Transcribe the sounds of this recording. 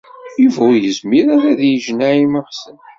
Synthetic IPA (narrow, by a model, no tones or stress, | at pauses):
juvæwjəzmiɾæɾæðjiʒnæiməʁsən